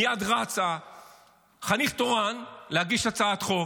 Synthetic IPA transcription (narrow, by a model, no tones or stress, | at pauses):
jad̪ʁat͡sa | χaniχt̪oʁanlehaɡiʃat͡saat̪χo